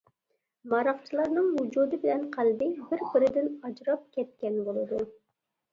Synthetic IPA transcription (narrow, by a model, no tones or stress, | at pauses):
mɑɾɑqt͡ʃʰilˠɑɾnɨŋwud͡ʒud̪ɨbɪlɛnqʰælb̪ɪŋbɪɾbɪɾɪd̪ɪnɑd͡ʒɾɑp̚kʲʰɛt̪̚kʲɛnbolˠɨd̪u